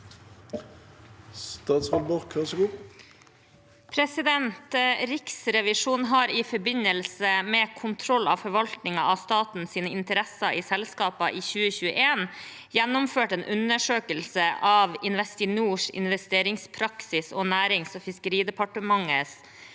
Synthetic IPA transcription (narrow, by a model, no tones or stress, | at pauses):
st̪ɑːt̪sʋɔlbʊʁkʋæsɡuː | pʰɾɛsɪd̪ɛnt̪ɾɪksɾɛʋɪʂuːnɦɑːɾiːfɔɾbɪɲəlsəmeːkʰʊnt̪ʰɾɔlːɑ̰ːʋfɔɾʋɑlt̪nɪŋɑ̰ʔɑʋst̪ɑːt̪n̩siːnəɪnt̪əɾɛsɑʔiːsɛlskɑːpɑʔiːçʉːəçʉːə̰ʔeːn | jɛnːʊmføːʈeːnʔʉnəʂøːkəlsəʔɑːʋɪnʋɛst̪ɪnuːʂɪ̰nʋɛst̪eːɾɪŋspʰɾɑksɪsoːnæːɾɪŋsoːfɪskəɾiːd̪ɛpɑʈəmɑŋəs